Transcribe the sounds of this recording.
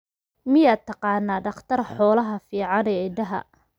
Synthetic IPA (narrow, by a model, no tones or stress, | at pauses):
mɪjaːt̪ʰːɑqɑːnːaːɖɑχt̪ʰɐrħɔːlɐɦɐfiːʕɑnɛːɪɖɐɦɐ̰